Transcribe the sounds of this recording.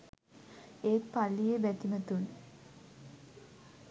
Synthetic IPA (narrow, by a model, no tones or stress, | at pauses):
eːkpalːijebæt̪imət̪un